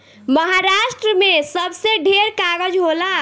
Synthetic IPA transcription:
məɦaɾaʃʈɾəmesəbseɖʱeɾkaɡəd͡ʒɦola

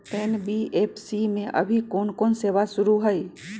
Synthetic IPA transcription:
eːnbieːpʰsimẽʔɐ̰bʱikoːnkoːnseːʋasʊɾuɦəi

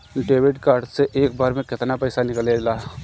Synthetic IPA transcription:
ɖeːʋɪʈkaːɾɖseʔeːk̚baːɾmẽkɪt̪napɛɪsanɪklelaː

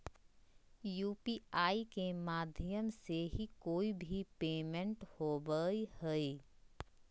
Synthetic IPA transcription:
juːpiaːikemaːd̪ʱjəmseɦikoːibʱipeːmə̃ɳʈhoːbəihɛi

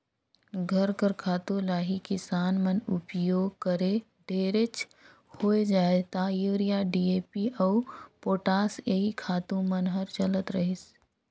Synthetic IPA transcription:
ɡʱəɾkəɾkʰaːt̪ũlaːɦikɪsaːnmənʊpjoːɡ̚kəɾe | ɖʱeːɾet͡ʃ | hoːed͡ʒaːet̪ajuːɾijaɖiːeːpiʔɔːpoːʈaːseɦikʰaːt̪ũmənɦəɾt͡ʃɐlət̪ɾəɦɪs

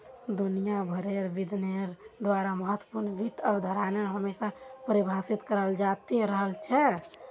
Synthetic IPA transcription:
d̪unijabʱəɾeɾʋid̪ʱneɾd̪waɾaməɦət̪wəpuɾnʋʱit̪əbd̪ʱəɾanəɾɦəmesapɾebʱasit̪kəɾəld͡ʒat̪eɾəɦəlt͡ʃʰɛ

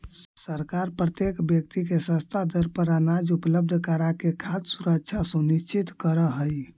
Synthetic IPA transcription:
səɾkaɾpɾət̪jekbjəkt̪ikesə̃st̪ʰad̪əɾpəɾanad͡ʒupləb̚d̪ʱkəɾakekʰat̪suɾək̚t͡ʃʰjasunist͡ʃʰit̪kəɾəɦəj

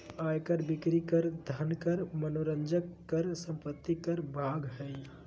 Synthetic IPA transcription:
ajkəɾbikɾikəɾd̪ʱənkəɾmənoɾənd͡ʒəkːəɾsə̃mpət̪ːikəɾbʱaɡɦəj

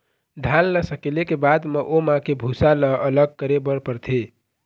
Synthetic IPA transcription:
ɖʱalːəsəkelekebad̪məʔomãkebʱusaləʔələɡ̚kəɾebəɾpəɾt̪ʰe

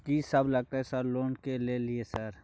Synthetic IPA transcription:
kisɐblɐɡ̚t̪aːɦɛsəɾloːnkelelɪesəɾ

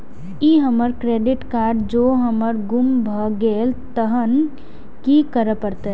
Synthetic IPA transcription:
iɦəməɾkɾeːɖɪʈkaːɾɖd͡ʒoːɦəməɾɡʊmbʱəɡeːlt̪əɦən | kikəɾəpəɾt̪e

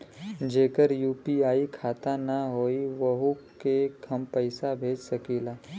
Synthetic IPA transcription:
d͡ʒeːkəɾjuːpiaːikʰaːt̪anəɦoːiʋɐɦukekʰɐmpəɪsabʱeːd͡ʒsɐkiːlaː

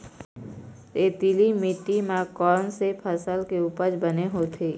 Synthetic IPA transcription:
t̪eːt̪ilimɪʈːimãkɔːnsepʰəsəlkeuːpəd͡ʒbəneɦoːt̪ʰeː

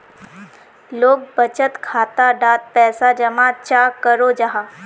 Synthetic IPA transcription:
loːɡ̚bət͡ʃət̪kʰaːt̪aɖaːt̪̚pɛːsad͡ʒɐmaːt͡ʃaːkəɾoːd͡ʒaɦaː

